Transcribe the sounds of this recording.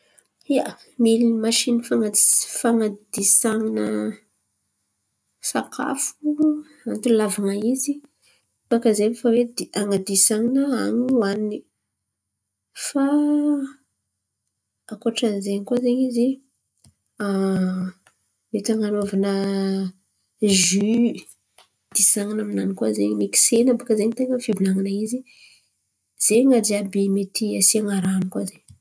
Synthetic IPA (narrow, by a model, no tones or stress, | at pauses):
ia | milimaʃinifaŋafaŋad̪̥isaŋinə | sakʰa̰fu | ant̪ulavanaizi | bakazemfawed̪iaŋad̪isaŋinəaɲwani | fa | akoʈ͡ʂanzeɲikwazeɲizi | a | met̪aŋanovanə | ʒy | d̪̥isaŋinaminanikwazeɲimeki̥senabukəzeɲit̪eŋəfibunaŋanaizi | z̥eŋad͡ʒiabemet̪iasiaŋaɾanikwazeɲ